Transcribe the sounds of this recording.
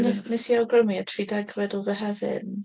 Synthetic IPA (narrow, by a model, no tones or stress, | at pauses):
nənɛsiawɡrəmiatʰriːdɛɡvɛdɔlˠvəɦɛvɨ̰n